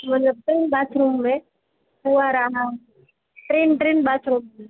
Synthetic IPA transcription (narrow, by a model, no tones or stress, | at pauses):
mɐt̪ləb̚ʈɾinbat͡ʃʰɾumbe | uaɾaɦã | ʈɾinʈɾinbat͡ʃʰɾume